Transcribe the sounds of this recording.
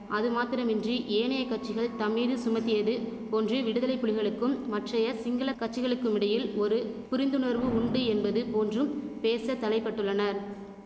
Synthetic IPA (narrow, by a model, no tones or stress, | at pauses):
ʔɐðɯmaːt̪ɪɾɐmɪndriʔeːɳɐjɐkːɐʈ̚t͡ʃːɪɣɐɭt̪ɐmːiːðɯsʊmɐt̪ːɪjɐðɯ | poːndrɯʋɪɽɯðɐlɐɪpːʊɭɪɣɐɭɯkːɯmːɐʈrɐjɐsɪŋɡɐlɐkːɐʈ̚t͡ʃːɪɣɐɭɯkːɯmɪɽɐjɪlɔɾɯpʊɾɪnd̪ɯnɐɾʋɯʊɳɖɯɛnbɐðɯpoːndrɯmpeːsɐt̪ːɐlɐɪpːɐʈːɯɭːɐnɐɾ